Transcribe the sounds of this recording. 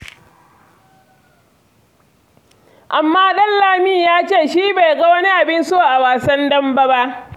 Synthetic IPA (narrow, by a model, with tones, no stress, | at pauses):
ʔa˨mːaː˦ɗɐ˦nlaː˨miː˦jaː˦t͡ʃeː˦˨ʃiː˦ba˨jɡɐ˦wɐ˦ni˦ʔa˨bɪ˦nsoː˦˨ʔa˨waː˨sɐ˦ndɐ˦mbɐ˦ba˦ʔ